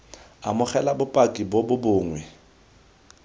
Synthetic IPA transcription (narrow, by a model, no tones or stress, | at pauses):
amʊχɛlabʊpʼakʼibobʊbʊːŋwɛ